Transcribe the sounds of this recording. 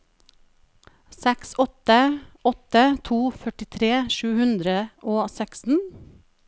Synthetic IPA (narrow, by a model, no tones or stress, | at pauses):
sɛksɔt̪əɔt̪ət̪ʰuːfœʈɪt̪ʰɾeːʃʉːhʉnd̪ɾəʔoːsækst̪n̩